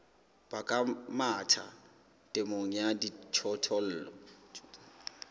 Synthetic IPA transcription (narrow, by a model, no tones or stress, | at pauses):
b̥akʼamatʰa̰ | tʼɪmoŋ̩jadit͡ʃʰɔtʰɔl̩ːlɔ̰